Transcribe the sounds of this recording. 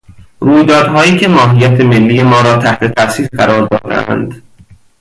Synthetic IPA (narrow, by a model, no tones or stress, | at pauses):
ɾuːjd̪ɒːd̪ɦɒːjiːcʰe̞mɒːɦijæt̪ʰe̞me̞lːiːje̞mɒːɾɒːt̪ʰæht̪ʰe̞t̪ʰæsiːɾɢæɾɒːɾd̪ɒ̰ːd̪æ̰ʔæ̰nd̪